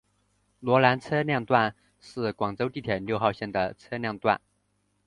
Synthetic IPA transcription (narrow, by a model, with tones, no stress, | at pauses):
lwɔ˧˥la˧˥nt͡sʰɤ˥ljɑ˥˧ŋt̪wa˥˧n | ʂɻ̩˥˩kwɑ˨˩ŋt͡so˥ʊt̪i˥˩t̪ʰjɛ˨˩nljo˥˧ʊxɑ˥˧ʊɕjɛ˥˩nd̪ə˩t͡sʰɤ˥ljɑ˥˧ŋt̪wa̰˥˩n